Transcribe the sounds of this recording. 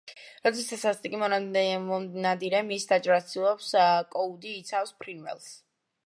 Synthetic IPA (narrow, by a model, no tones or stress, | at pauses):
ɾɔt̪sʰɛsasast̪t̪ʼikʼimɔɔnad̪iɾɛmisd̪at͡ʃʼɾat̪ʰilˠɔpskʼɔud̪iːt̪sʰafspʰɾinvɛ̰lˠs